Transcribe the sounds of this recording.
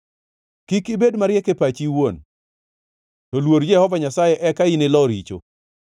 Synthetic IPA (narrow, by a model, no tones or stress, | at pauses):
kikɪbedmaɾjɛkepat͡ʃiwon | tɔlwoɾd͡ʒɛhɔvaɲasajɛʔɛkainɪlɔɾit͡ʃo̰